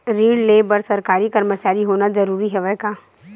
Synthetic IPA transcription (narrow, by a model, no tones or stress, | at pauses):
ɾiːɽleːbəɾsɐɾkaːɾikɐɾmət͡ʃaːɾiɦoːnazɐɾuːɾiɦɛʋɛɦkaː